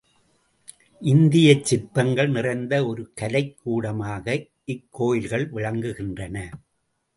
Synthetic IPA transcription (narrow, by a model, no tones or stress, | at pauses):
ʔɪnd̪ɪjɐt͡ʃːɪrt̪ːɐŋɡɐɭnɪrɐɪnd̪ɐɔɾɯkɐlɐɪkːuːɽɐmaːɣɐ | ɪkːoːjɪlɣɐɭʋɪɻɐŋɡɯɣɪndrɐnɐ